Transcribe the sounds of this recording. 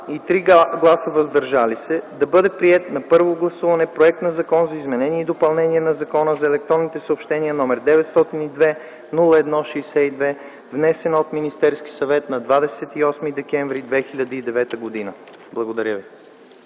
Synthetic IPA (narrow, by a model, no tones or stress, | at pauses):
it̪ɾiɡlˠasəvɐzd̪ɐɾʒalisɛd̪ɐbɤd̪ɛpɾiɛt̪nɐpɤɾvoɡlˠɐsuvɐnɛpɾoɛk̚t̪nɐzɐkɔnzɐizmɛnɛniɛid̪opɐlˠnɛniɛnɐzɐkɔnəzɐɛlɛk̚t̪ɾɔnːit̪ɛsəopʃt̪ɛnʲiənɔmɛɾd̪ɛvɛt̪st̪ɔt̪inid̪vɛ | nulˠəɛd̪nɔʃɛːsɛid̪vɛ | vnɛsɛnot̪minist̪ɛɾski̥sɐvɛt̪nɐd̪vad̪ɛsɛt̪iɔsmid̪ɛkɛ̃ɱvɾid̪vɛxilʎʲɐd̪əid̪ɛvɛt̪əɡod̪inə | blˠɐɡod̪ɐɾʲjəvi